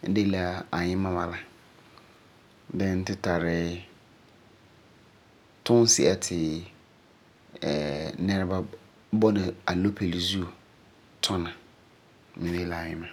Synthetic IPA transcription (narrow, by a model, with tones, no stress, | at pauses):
n̩˦de˦la˨a˨ɲɪ̃˦mã˦ma˨la˨ | dɛ̃˦n̩˦tʰɪ˦tʰa˨ɾɪ˦ | tʰʊ̃˦n˦sḭ˨a˨tʰɪ˨ | ɛ˨nɛ̃˦ɾba˦ | bɔ˦nɪ̃˨a˨lo˦pʰe˨li˨zu˦o˨ | tʰɔ̃˦nã˨ | mɪ̃˨nẽ˦la˨a˨ɲɪ̃˦mã˨